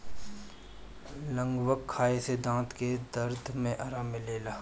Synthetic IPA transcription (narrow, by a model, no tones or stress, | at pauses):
lə̃ŋɡwəkʰːaːesed̪ãːt̪ked̪ɐɾd̪ʱmẽʔɐɾamɪleːlaː